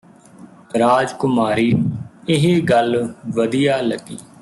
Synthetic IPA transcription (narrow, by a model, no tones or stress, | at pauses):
ɾaːd͡ʒkʊmaːɾiːɪɦiːɡəlʋəd̪ijaːləɡiː